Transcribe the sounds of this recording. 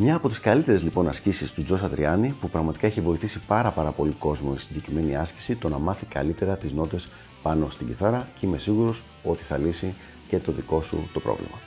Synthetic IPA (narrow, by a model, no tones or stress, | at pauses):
mɲɐːpo̞t̪iskɐlit̪e̞ɾe̞zlipo̞nɐscisist̪ud͡zo̞sɐd̪ɾḭɐnipupɾɐɣmɐt̪i̥kɐeçivo̞iθisipɐɾɐpɐɾɐpo̞liko̞zmo̞isinɟe̞cɾime̞niɐsci̥sit̪o̞nɐmɐθikɐ̰lit̪e̞ɾɐt̪izno̞t̪e̞s | pɐno̞st̪iɟiθɐɾɐceime̞siɣuɾo̞s | o̞t̪i̥θɐlisi | ce̞t̪o̞ðiko̞sṵt̪o̞pɾo̰vlḛmɐ